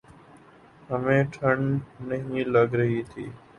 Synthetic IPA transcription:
ɦəmẽːʈʰəɳnəɦĩːləɡɾəɦiːt̪ʰḭː

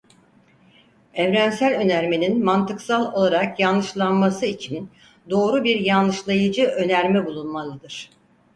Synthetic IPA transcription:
ɛvɾænsælʲø̞næɾme̞ninmant̪ɯksalˠo̞lˠaɾakjanːɯʃlˠanmasɯit͡ʃʰin | d̪o̞ːɾubiɾjanlːɯʃlˠajɯd͡ʒɯʔø̞næɾmɛbulˠunmalˠɯd̪ɯɾ̥

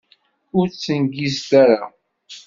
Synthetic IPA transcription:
ʊɾt͡sːənɡist̪æɾa

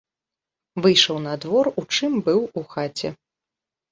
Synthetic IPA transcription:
vɨjʂɐwn̪ɐd̪vɔrut͡ʂɨmbɨwuxat͡sʲɛ

